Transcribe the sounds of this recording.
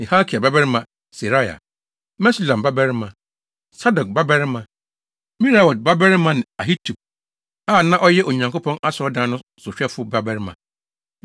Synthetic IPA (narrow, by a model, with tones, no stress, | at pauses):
nɪ̃˨ha˦kʰi˨a˨ba˦bɛ˦ɾɪ˦mã˨ | si˨ɾa˦ja̰˨ | mɛ˦si˦˨lã˨ba˦bɛ˦ɾɪ˦mã˨ | sa˦dɔ˨k̚ba˦bɛ˦ɾɪ˦mã˨ | mĩ˦ɾa˨wɔ˨d̚ba˦bɛ˦ɾɪ˦mã˦nɪ̃˨a˨ɦi˦tʰu˨p̚ | a˦˨nã˦ʔɔ˦jɛ˦ʔo˨ɲã˨ŋko˦pʰɔ̃˦na˦sɔ˦dã˦nʊ̃˦sʊ˨ɕᶣɛ˦fʊ˦ba˦bɛ˦ɾɪ˦mã̰˨